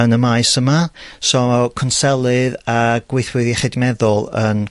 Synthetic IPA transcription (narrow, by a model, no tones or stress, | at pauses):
ənəmaɨsəmasɔkʰɔnsɛlˠɨðaɡ̥wɪɨθwɨðiχɨdmɛðʊlˠə̰n